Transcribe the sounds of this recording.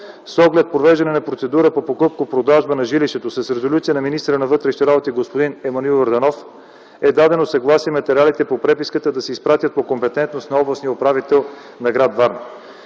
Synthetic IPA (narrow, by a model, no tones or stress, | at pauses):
sɔɡlɛt̪̚pɾovɛʒd̪ɐnɛnɐpɾot̪sɛd̪uɾəpopokɤp̚kopɾod̪aʒbənɐʒiliʃt̪ɛt̪osɐsɾɛzolʲut̪sijənɐminist̪əɾənɐvɤt̪ɾɛʃi̥t̪ɛɾabot̪iɡospod̪inɛmɐnilvɐɾd̪ɐnɔf | ɛd̪ad̪ɛnosɐɡlˠasiəmɐt̪ɛɾialit̪ɛpopɾɛpiskət̪əd̪ɐsɛispɾat̪ʲjət̪̚pokompɛt̪ɛnt̪nosnɐɔblˠɐsnijəopɾavit̪ɛlˠ | nɐɡɾad̪vaɾnɐ